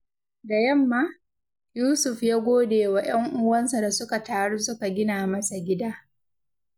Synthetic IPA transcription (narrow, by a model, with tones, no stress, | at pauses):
da˨jɐ˦mːaː˦ | juː˦sʊ˨ɸjaː˦ɡʷoː˦deː˨wa˨j̰ɐ˦ŋʔʊ˦wɐ˦nsa˨da˨sʊ˦ka˨taː˦ɽu˦sʊ˦ka˨ɡʲɪ˦naː˨mɐ˦sa˨ɡʲɪ˦daː˦